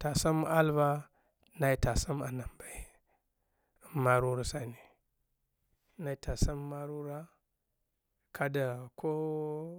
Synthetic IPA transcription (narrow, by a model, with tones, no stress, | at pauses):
ta˨sa˦m˦a˦lva˦ | na˨i˦ta˨sa˦ma˨na˨mba˨i˨˦ | ma˦ɾu˦ɾa˨sa˨ni˨ | na˨i˨ta˨sa˦mː˦a˦ɾu˦ɾa˦ | kʰa˦da˨kʰo˦